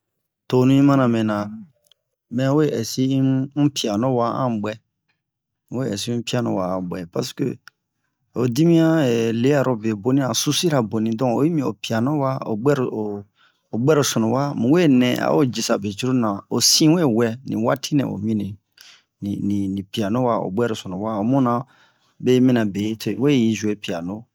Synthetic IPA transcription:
to˨nũ˦ĩ˦mã˦nã˨mɛ̃˨nã˨ | mɛ̃˨˦we˦˨ɛ˨si˦pi˨a˨nɔ̃˦wa˦ã̰˦ɡ͡bwɛ˨˦ | e˦ɛ̰˨si˦pi˦a˨nɔ̰̃˧˨wa̰˨ã˨bɛ̰˨pa˨skø̰˦ | o˨di˦mĩ˦ã˦ɛ˨le˦a˨ɾo˨be˨bo˦nĩ˦ã˨su˦si˦ɾa˨bo˨nĩ˨dɔ̃˦o̰˨˦i˦mĩ˨o˨pi˨a˨nɔ̃˦wa˦o̰˨ɡ͡bɛ˦ɾo˨o˨ | o˨ɡ͡bɛ˦ɾo˨sɔ˨nõ˨wa˦mũ˨we˦nɛ̰̃˨a̰˨˦o˦d͡ʒi˨sa˨be˨d͡ʒu˦ɾo˦nã˨o˨sĩ˦we˦˨wɛ˨nḭ̃˨wa˦tʰi˦nɛ̰̃˨o̰˨mĩ˦nĩ˨ | ni˨nĩ˨nĩ˨pi˨a˨nõ˦wa˦o̰˨ɡ͡bɛ˦ɾo˨sɔ̃˨nõ˨wa˦o˨mũ˦nã˨ | be˦mĩ˦nã˨be˨˦tʰe˨we˦˨ji˦zu˨e˦pi˨a˨no˦

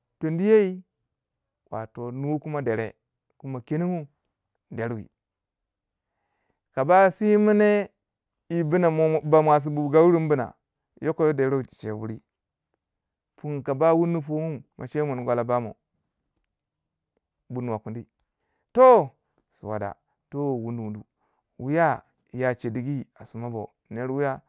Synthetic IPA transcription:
to˨ndi˦je˦i˦ | wa̰˨to˨nu˦wku˦ma˦de˨ɾḛ˨ | ku˦ma˨ke˦ni˦ŋu˦ | de˨ɾwḭ˨ | ka˨ba˦si˦mi˦ne˦ | i˨bi˦na˨ba˨m˨a˨s̬i˨bu˨ɡa˦wu˦ɾi˦m˦bu˦na̰˨ | jo˦ko˦jo˦de˨˦ɾo˦˨t͡ʃi̥˨t͡ʃḛ˨wṵ˦ɾi˦ | pu˦ŋka˨ba˦wu˦nu˦po˦mu˦mʔa̰˨ʃe˦mu˨n˨ɡʷa˨la˨ba˦mo̰˨ | bu˨nu˨wa˨ku˨ndi˦ | to˦ | sṵ˨wa̰˨da̰˨ | to˦wu˦ndu˨wu˨ndṵ˨ | wu˦ja˦ | ja˨t͡ʃe˨di˨ɡi˦a˨su˨ma˦bo̰˨ | ne˨ɾwu˦ja˦

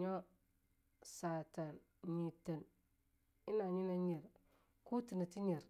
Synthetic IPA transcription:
ɲo˦ | sa˨ta˨n | ɲi˨ta˨n | i˦na˨ɲi˦na˦ɲe˨ɾ | ku˦ti˨na˨ti˦ɲe˨ɾ

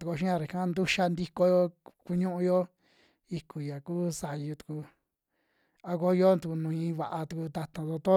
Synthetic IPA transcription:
t̪u˧ku˧ʃĩ˦ã˧ɾe˨kã˦nd̪u˦ʃa˧nd̪i˦ko˧jo˧ku˧ɲũ˦ʔũ˧jo˦ | i˧ku˨ja˨kuː˦sa˨˧ju˧t̪u̥˨˧ku˧ | a˧ko˧jo˦t̪u˧ku˧nũ˨˧ĩ˧˦˧βa˨ʔa˧t̪u˧ku˧t̪a˧t̪ã˧˨d̪o˧t̪o˦

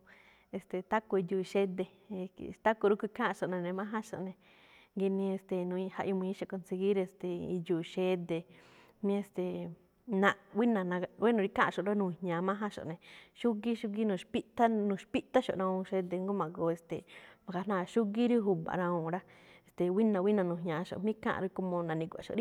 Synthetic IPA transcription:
e˨st̪e˨t̪a˦ko˧i˧du˧˨i˧ʃe˦d̪ḛ˧˨ | t̪a˦ku˧ɾu˦kʷi˧kã˦˧ʃo˨nẽ˧nẽ˧mã˦ɦã˦ʃo̰˨ʔnẽ˧ | ŋɡi˧nĩ˧e˧˨st̪e˨nũ˧ĩ˧ha̰˧ʔju˧mũ˧ĩ˦ʃe˧˨ko˧nse˧ɡi˦ɾe˧˨st̪e˨i˧juː˨˧ʃe˦d̪e˧ | mĩ˦e˧st̪e˨ | nã˧wi˦nã˧˨nã˧wi˦nũ˧ɾi˦kã˦˧ʃo˨ɾa˦nũ˧˨hɲãː˨˧mã˦ɦã˦ʃo̰˨nẽ˨ʃu˦ɡi˦ʃu˦ɡi˦nũ˧˨ʃpi˦ʔt̪a˦nũ˧˨ʃpi˦ʔt̪a˦ʃo̰˨ɾã˧ũ˧ʃe˧d̪e˧ŋɡu˦mã˨ɡo˧˨e˨st̪ḛ˨mã˨ka˧˨nã˦˧˨ʃu˦ɡi˦ɾi˦ɦu˧ba̰˨ɾã˧ũ˧˨ɾa˦e˨st̪e˨wi˦nã˨˧wi˦nã˧nũ˨ɲã˨˧ʃo̰˧˨mĩ˦kã̰˦ʔɾi˧˦ko˧mõ˧nã˨nĩ˧kʷa̰˨ʃo̰˨ɾi˦

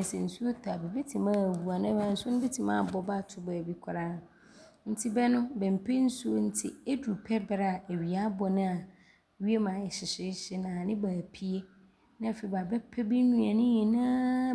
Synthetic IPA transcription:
sɛ˨n̩˨su˦o˦tʰa˨bɛ˨be˦tʰĩ˨mã˦˨wu˨a˨nã˦mã˨n̩˦su˦ʊ̃˦bɛ˦tʰĩ˨mã̰˦˨bɔ˨ba˦˨tʰʊ˦ba˨bi˨kʷʰʊ˨ɾã˦˨ | n̩˦tʰi˦bɛ˦nʊ̃˦bɛ̃˨m̩˨pʰe˦n̩˦su˦n̩˦tʰɪ̰˦e˦du˨pʰɛ˦bɾa˦˨e˨ɥi˨a˦bɔ˨nɪ̃˦a˨ | ɥi˦e˦mãː˨ɛ˨ɕɪ˨ɕɪ˦ɕɪ˦nã˨nɪ̃˦baː˨pʰi˦e˦ | nã˦˨fe˨i˨ba˨bɛ˦pʰɛ˦be˦nũ˦a˨nɪ̃˦jɛ˨nã˦

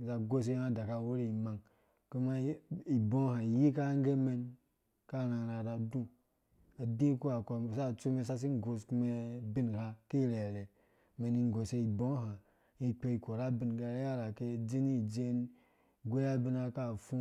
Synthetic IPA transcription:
za˧ɡo˦s̬e˦ha˧da˨ka˧˨wo˦ɾi˦i˨ma˨ŋ | ke˦ma˦i˨bo˦ha˨i˨ji˦ka˦ŋ˦ɡe˦me˧n | ka˦˨na˨ɾa˨ɾa˧du˦ | a˨dĩ˦ku˦a˨ko˧˨sa˦˨t͡su˦me˧sa˦s̬i˦ŋ˦ɡo˨sku˧˦me˧bi˦n˨ha˧ke˦˨le˨le˨ | me˨ni˧ŋ˨ɡo˨se˧i˨bõ˦ɦa˨ | i˧k͡pe˧i˧˨ko˨ɾa˦bi˨nɡa˧˦ja˦ɾa˨ke˦˨d͡ʒi˦ni˦˨d͡ʒe˦n | ɡʷe˦ja˦bi˦n˦a˧ka˦˨fu˦

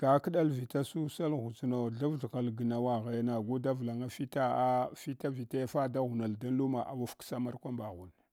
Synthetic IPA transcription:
ɡ̥a˦kə˦ɗa˦lvi˨ta˦su˦sa˦lɣu˨zno˨ɮa˦vɮɣa˨lɡə˨na˨wa˨ɣe˨˦na˨ɡu˦da˦vla˨ŋa˦fi˦ta˦a˦fi˦ta˦vi˨te˦fa˦da˦ɣu˨na˨lda˦n˦lu˦ma˨ʔa̰˨wa˦fksa˦ma˦ɾkʷa˦mba˨ɣu˨n

